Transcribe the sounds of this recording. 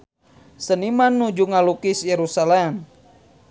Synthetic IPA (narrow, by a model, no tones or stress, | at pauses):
sənimanːud͡ʒuŋalukisjeɾusalɛm